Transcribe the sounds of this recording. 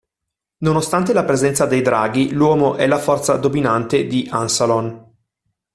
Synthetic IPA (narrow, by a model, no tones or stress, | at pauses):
nonost̪ant̪elapɾezɛnt̪sad̪ejd̪ɾaːɡilwɔːmoʔɛlafɔrt̪sad̪ominant̪ed̪iʔansalon